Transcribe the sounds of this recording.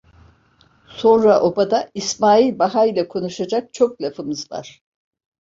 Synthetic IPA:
so̞nɾaʔo̞bad̪aismaːilʲbaɦailʲɛkʰo̞nuʃad͡ʒak̚t͡ʃʰo̞k̚lʲafɯmɯzva̰ɾ̥

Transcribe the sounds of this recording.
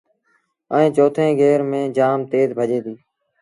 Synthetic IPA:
əẽːt͡ʃoːt̪ʰẽːɡeːɾmẽːd͡ʒaːmt̪eːzbʱəʄẽːd̪iː

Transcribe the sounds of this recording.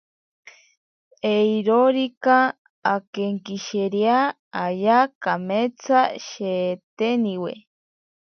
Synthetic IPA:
eiɾoɾikaː | keŋkiʃeɾja | ajakamet͡sʰaʃet̪eniwḛ

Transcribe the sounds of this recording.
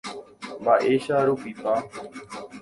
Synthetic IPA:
maːʔeːʃaːɾuːpiːpaː

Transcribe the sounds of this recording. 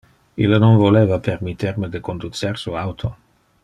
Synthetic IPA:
ilanonvolevapermit̪ːerməd̪əkond̪ut̪sersuawt̪ʰo

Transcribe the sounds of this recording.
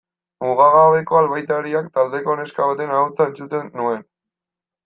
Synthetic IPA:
muɣaɣaoβeko̞alβajt̪aɾiakt̪ald̪e̞ko̞ne̞skaβat̪e̞naawt͡sae̞nt͡sut̪e̞nːue̞n

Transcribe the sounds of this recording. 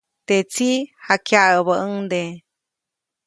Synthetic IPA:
t̪et͡sihakjaʔəβəʔəŋd̪e

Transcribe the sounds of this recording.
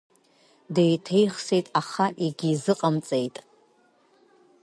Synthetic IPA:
dejtʰejχsejtʼaχaʔiɡʲizɨqʼamt͡sʼe̞jtʼ

